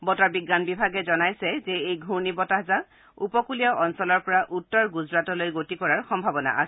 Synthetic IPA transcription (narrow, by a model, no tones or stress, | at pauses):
bɔtaɹbiɡːanbibʱaɡɛzɔnajsɛzɛejɡʱuɹnibɔtaɦza | upɔkulijaʔɔnsɔlɔɹpɔɹaʔutːɔɹɡuzɹatɔlojɡotikɔɹaɹxɔmbʱabɔna̰ʔa̰s